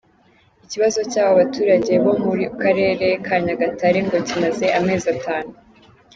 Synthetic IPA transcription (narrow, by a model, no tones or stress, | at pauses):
iciβazo̞caːβoβatuːɾaɟe̞βo̞muɾiukaɾe̞ːɾe̞kʰaːɲaɡataɾeŋɡo̞cimaze̞ʔame̞ːzataːnu